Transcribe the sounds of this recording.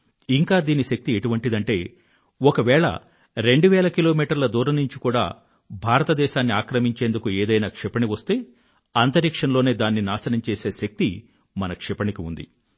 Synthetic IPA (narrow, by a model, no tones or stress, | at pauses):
iŋkaːd̪iːniʃɐk̚t̪ieʈuʋɐɳʈid̪ɐɳʈe̞ː | ɔkɐʋɛːɭɐ̰ | ɾe̞ɳɖuʋɛːlɐkilo̞ːmiːʈɐɾlɐd̪uːɾɐnːuɲt͡ʃikuːɽa̰ː | bʱaːɾɐt̪ɐd̪ɛːʃaːnːiaːkɾɐmiɲt͡ʃeːnd̪ukueːd̪ɐjnaːkʂɛpɐɳiʋɐst̪e̞ː | ɐnt̪ɐɾikʂɐnlo̞ːne̞ːd̪aːnːinaːsɐnɐmt͡ʃeːse̞ːʃɐk̚t̪i | mɐnɐkʂɛpɐnikiund̪ḭ